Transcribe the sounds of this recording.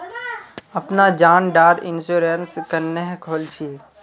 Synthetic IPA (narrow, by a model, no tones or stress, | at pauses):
ɐpnad͡ʒaːnɖaːɾɪnsuːɾenskənːeɦkʰoːlt͡ʃʰi